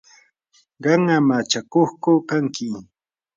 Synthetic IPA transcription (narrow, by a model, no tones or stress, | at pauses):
ɢɑŋamat͡ʃakoχkʊkaŋkɪ